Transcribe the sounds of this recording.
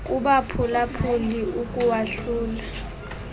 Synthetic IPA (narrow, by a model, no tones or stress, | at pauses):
kʼuɓapʰulapʰuliukʼuwaɬuːla